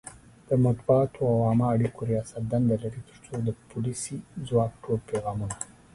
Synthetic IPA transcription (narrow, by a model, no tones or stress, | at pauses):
d̪̥əmat̪buɑt̪ʰoawɑmaːɽikoɾijɑsat̪̚d̪and̪alaɾit̪ə̥ɾt͡sod̪əpʊlisizwɑk̚ʈʰolpeɣɑmuna